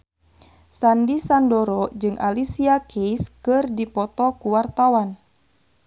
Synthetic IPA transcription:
sandisandɔɾɔd͡ʒɨŋʔa̰lisiakejskɨrdipɔt̪ɔkuwart̪awan

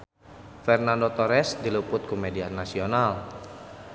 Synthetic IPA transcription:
fɛrnandot̪oɾɛsdilupʊt̪̚kumedianːasional

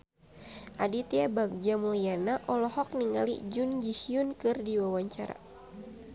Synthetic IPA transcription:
ʔadit̪iabaɡ̚d͡ʒamulianaʔɔlɔhɔk̚niŋa̰lḭd͡ʒund͡ʒiʃiunkɨrdiwawaɲt͡ʃa̰ɾa̰

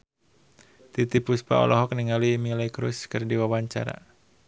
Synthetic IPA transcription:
t̪it̪ipuspa̰ɔ̰lɔɦɔk̚niŋalimilɛkɾṵskɨrdiwawaɲt͡ʃa̰ɾa̰

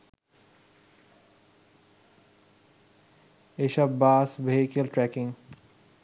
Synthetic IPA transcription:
eʃɐbbaːsbʱekelʈɾɛkɪ̃ŋɡ

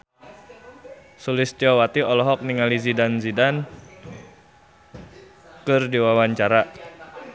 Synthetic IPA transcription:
sulɪst̪iɔwat̪iɔlɔɦɔk̚niŋalizidanzidan | kɨrdiwawaɲt͡ʃaɾa

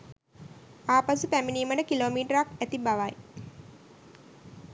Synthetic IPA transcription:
aːpasupæminiːmənəkiloːmiːʈəɾakæt̪ibaʋaj

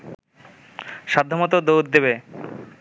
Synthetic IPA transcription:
ʃad̪ʱːomɔt̪od̪owd̪d̪ebe

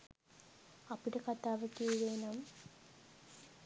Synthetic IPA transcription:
ɐpːiɽekɐt̪ːaːʋɐkːiiðeːnaːm

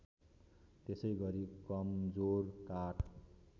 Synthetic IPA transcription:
t̪esʌjɡʌɾikʌmd͡zorkaʈʰ

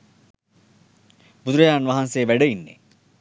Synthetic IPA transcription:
bud̪uɾəjaːnʋaɦanseːʋæɖəinːḛ

